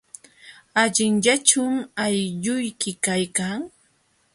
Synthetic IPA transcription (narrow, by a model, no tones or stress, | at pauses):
aʎɪŋʎat͡ʃʊmajʎʊjkɪkajkaŋ